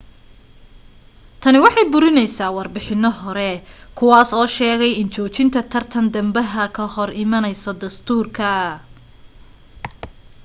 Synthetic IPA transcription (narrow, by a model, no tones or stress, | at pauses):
t̪ʰɐnɪwɑħɑjbʊɾɪnɛjsaːwɑrbɪħɪnːɔɦɔɾɛkʰʊwaːsɔːʃɛːɣɛjɪnt͡ʃʰɔːt͡ʃɪnt̪ʰɐt̪ʰɐrt̪ʰɐnd̪ɐmbɐɦɐkʰɐhɔrɪmɐnɛjsɔd̪ɐst̪ʰuːrkʰɐ